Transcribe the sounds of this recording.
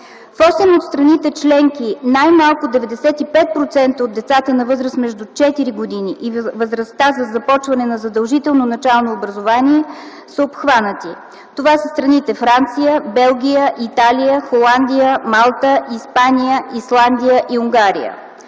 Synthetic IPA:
fɔsɛmot̪st̪ɾɐnit̪ɛt͡ʃlɛŋkinajmalˠkʊd̪ɛvɛd̪ɛsɛt̪ipɛt̪̚pɾot̪sɛnt̪əod̪ːɛt̪sat̪ənɐvɤzɾəsmɛʒd̪ut͡ʃɛt̪iɾiɡod̪iniʔivvəzɾɐst̪azəzɐpɔt͡ʃvɐnɛnɐzɐd̪əlˠʒit̪ɛlˠnonɐt͡ʃalˠnoːbɾɐzovaniɛ | səopxvanət̪i | t̪ovasəst̪ɾɐnit̪ɛfɾant̪sijəbɛlˠɡʲijəʔit̪alijəxolˠand̪ijəmalˠt̪əʔispanijəʔislˠand̪ijəʔiuŋɡaɾijə̰

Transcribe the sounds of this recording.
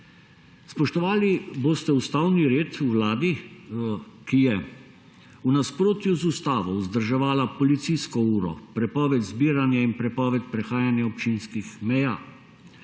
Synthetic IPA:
spɔʃt̪ɔʋaːliboːst̪ɛust̪awniɾeːt̪uwlaːd̪i | kijɛ | unaspɾoːt̪juzust̪aːʋɔzd̪əɾʒɛʋaːlapɔlit̪siskɔuːɾɔ̰pɾɛpɔːʋɛt̪zbiːɾanjainpɾɛpɔːʋɛt̪̚pɾɛxaːjanjaɔpt͡ʃinskixmɛjaː

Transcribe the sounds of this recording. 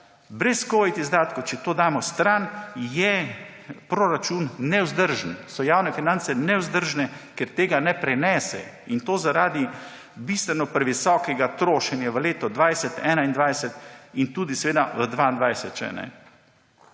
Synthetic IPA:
bɾɛskoːit̪izd̪aːt̪kowt͡ʃɛt̪oːd̪aːmɔst̪ɾanjɛ | pɾoɾat͡ʃunːɛwzd̪əɾʒənsɔjaːwnɛfinant̪sɛnɛwzd̪əɾʒnɛkɛɾt̪eːɡanɛpɾɛnɛːsɛ̰ | int̪oːzaɾaːd̪i | bist̪ʋɛnɔpɾɛʋisɔːkɛɡat̪ɾoːʃɛnjaʋəleːt̪ɔd̪ʋajsɛt̪ɛːnaind̪ʋajsɛt̪int̪uːd̪isɛʋeːd̪aʋəd̪ʋaːind̪ʋajsɛt̪t͡ʃɛ̰nɛ̰

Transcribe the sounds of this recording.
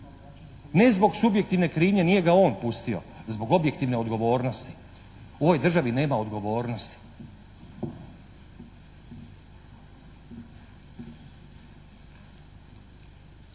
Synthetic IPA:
ne̞zbo̞ɡsubje̞kt̪iʋne̞kɾiːɲe̞nije̞ɡao̞ːnpust̪io̞̰zbo̞ɡo̞bje̞kt̪iʋne̞o̞d̪ɡo̞ʋo̞ːɾno̞st̪i̥ | o̞ʋo̞jd̪r̩ʒaʋine̞ːmao̞d̪ɡo̞ʋo̞ːɾno̞st̪i̥

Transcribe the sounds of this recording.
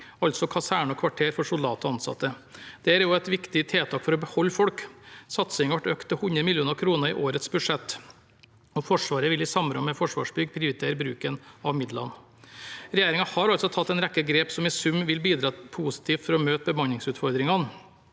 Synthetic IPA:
ɑlt̪sɔkʰɑsæːɳɔkʰʋɑʈʰeːɾfɔʂʊld̪ɑːt̪ɔɑnsɑ̰t̪ːəd̪̥ɛæɾjʊæt̪ʋɪkt̪ɪt̪ʰeːt̪ʰɑːkfɔɾɔbəhɔlːfɔɽksɑt̪sɪŋʋæʈøːkt̪ʰːɪhʉnɾəmɪljuːnəɾkʰɾuːnəɾɪ̰ʔoːɾət̪sbʉʂɛt̪ː | ɔfɔʂʋɑːɾəʋɪlɪsɑmɾɔ̰mmɛfɔʂʋɑ̰ːʂbʏɡpʰɾɪʊɾɪt̪ʰeːɾəbɾʉːkənɑʋmɪd̪lɑ̰n | ɾɛjeːɾɪŋɑhɑɾɑlsɔt̪ʰɑt̪ːɛɪnɾɛkːəɡɾeːpsɔmɪsʉmːʋɪlbiːd̪ɾɑːpʰuːsɪ̥t̪ʰiːt̪fɔɾɔmøːt̪bəmɑnɪŋsʉːt̪fɔɾd̪ɾɪŋɑn

